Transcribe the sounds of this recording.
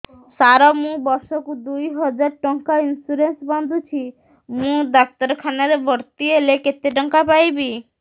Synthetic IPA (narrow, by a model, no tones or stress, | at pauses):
saɾɔmũbɔɾsɔkud̪ujɦɔd͡ʒaɾʈɔŋkainsuɾensband̪ʱut͡ʃʰi | mũd̪ak̚t̪ɔɾkʰanaɾebʱɔɽt̪ieleket̪eʈɔŋkapajbi